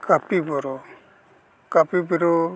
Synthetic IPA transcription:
kapibɔɾɔ | kapibiɾɔ

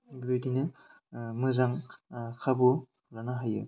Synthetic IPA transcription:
bojdinɯ | mɯzaŋkʰabu | ɾanaɦajɯ̰

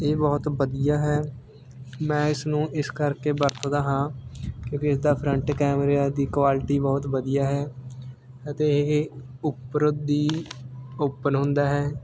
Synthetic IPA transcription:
eːbɔːt̪bəd̪ijaːɦɛː | mɛ̃ːɪsnũːʔɪskəɾkeːbəɾt̪d̪aːɦãːkjõːkiɪsd̪aːpʰɾəɳʈkɛːmɾaːd̪iːkʋaːlɪʈiːbɔːt̪ʋəd̪ijaːɦɛː | ət̪eːe | ʊpːɾəd̪iː | oːpːənɦʊ̃nd̪aːɦɛː

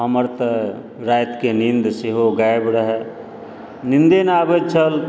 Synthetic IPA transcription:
ɦɐməɾt̪ə | ɾaːjt̪kenĩnd̪seɦoɡajbɽɦɛ | nĩnd̪enaːbet͡ʃʰəl

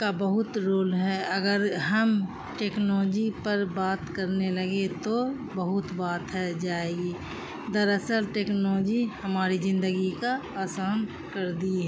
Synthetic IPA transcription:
kabəɦʊt̪ɾoːlɦɛɐɡəɾɦɐm | ʈeːknɔːd͡ʒipəɾbaːt̪kəɾneləɡet̪o | bəɦʊt̪baːt̪ɦɛd͡ʒaːeːɡiː | d̪əɾəsəɾʈeːknɔːd͡ʒihəmaːɾizɪ̃nd̪əɡikaaːsaːn | kəɾd̪iɛ

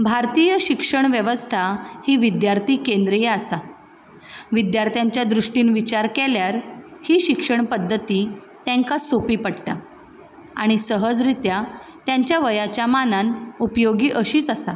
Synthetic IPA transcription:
bʱaɾt̪ijəɕikʂəɳʋjəʋəst̪ʰahiːʋid̪jaɾt̪ʰiːkẽnd̪ɾəjeasa | ʋid̪jaɾt̪ʰjaɲt͡ɕjad̪ɾuʂʈiːnʋit͡ɕaɾkeljaɾhiːɕikʂəɳpəd̪ʱːət̪iː | t̪ɛ̃ŋkasopiːpəɽʈ̪a | a̰ɽ̃isəɦəd͡zɾit̪jat̪jaɲt͡ɕjaʋəjat͡ɕjamananupjoɡiːʔəɕiːt͡səsa

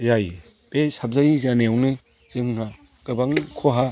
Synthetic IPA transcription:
jaj | besab̚zajizaneawni | z̥ɯŋːa | ɡ̥ɯbaŋkʰoɦa

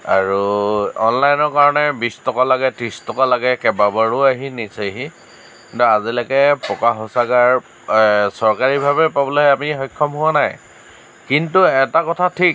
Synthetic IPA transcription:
a̰ɹuɔnlajnɔɹkaɹɔnɛbistɔkalaɡɛtɹistɔkalaɡɛkɛbabaɹʊaɦiniseɦi | ntɔazilakɛpɔkaɦosaɡaɹ | sɔɹkaɹibʱabɛpabɔlojamixɔjkʰːɔmɦʊwanaj | kintuɛtakɔtʰatʰik

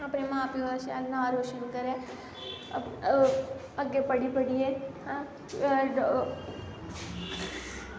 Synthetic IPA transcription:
ɐpnemãːpjoaʃaanãːɾoːʃənkəɾẽː | ɐɡːepɐɽipɐɽieã

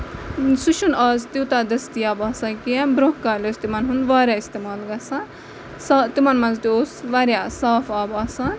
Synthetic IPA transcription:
suʃunɐːzt̪it̪ad̪ɐst̪ijaːbɐːsãkiãbɾõɦkaːlʲost̪imɐnɦund̪ʋaːɾʲjaist̪emaːlɡɐsã | saːt̪imɐnmɐnzt̪ioːsʋaːɾʲjasaːfaːbaːsan

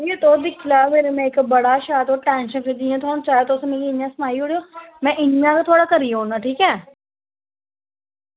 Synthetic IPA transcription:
ejeːt̪oːd̪ɪkʰlaːmeːɾemɛ̃ːɪkbəɽaːʃaːt̪oʈɛ̃ːnʃənpʰɪd̪iãːt̪ʰoaːõt͡ʃaːeːt̪osmeːɾiɪnjãːsəmaːiːɦoːɽioːmɛ̃ːʔɪnjãːkat̪ʰoaːɽaːkəɾiːaɦoːnaːʈʰiːkɛː

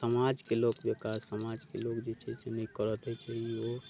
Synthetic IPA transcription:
səmad͡ʒkelokbekasːəmad͡ʒkelokd͡ʒet͡ʃʰɛsenɛjkəɾət̪ɛjt͡ʃʰɛio

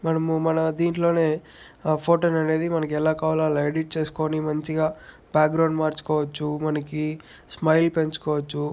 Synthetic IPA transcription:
mɐnɐmumɐnɐd̪iːɳʈlo̞ːne̞ː | pʰoːʈoːnɐne̞ːd̪imɐnɐkiɛlaːkaːʋlaːleɖiʈ̚t͡ʃe̞ːsu̥ko̞ːnimɐɲt͡ʃiɡaː | baːkɡɾɐwɳɖmaːɾt͡ʃu̥kɔːʋɐt͡ʃːumɐnɐki | smɐjlpe̞ɲt͡ʃu̥kɔːʋɐt͡ʃːu

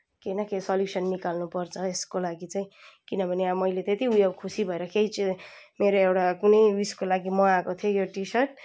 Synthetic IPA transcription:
kejnʌkesʌljusʌnːikalnupʌrt͡sʰʌeskolaɡit͡saĩkinʌbʱʌneamʌjlet̪et̪iujʌbkʰusibʱʌeɾʌkejt͡simeɾoewɽakunʌjwiskolaɡimʌakot̪ʰijojoʈisʌrʈ̚

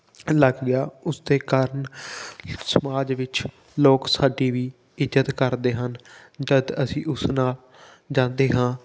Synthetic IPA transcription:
ləɡɡɪjaːʊsd̪eːkaːɾən | səmaːd͡ʒʋɪt͡ʃ | loːksaːɖiːʋiː | ɪd͡ʒət̪kəɾd̪eːɦən | d͡ʒəd̪əsĩːʔʊsnaːl | d͡ʒãːnd̪eːɦãː

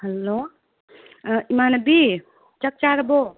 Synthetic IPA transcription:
həlːoː | imanəbi | t͡ʃɐk̚t͡ʃaɾɐbo

